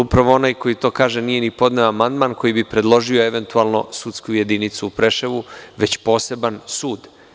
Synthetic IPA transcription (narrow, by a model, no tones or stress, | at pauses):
upɾaʋo̞o̞naːjko̞jit̪o̞ːkaːʒenije̞nipo̞d̪neʋamand̪manko̞jibipɾe̞d̪lˠo̞ʒio̞e̞ʋe̞nt̪ualno̞̰sut̪skuje̞d̪init̪suːpɾe̞ʃeʋuʋe̞t͡ɕpo̞ːse̞bansuːd̪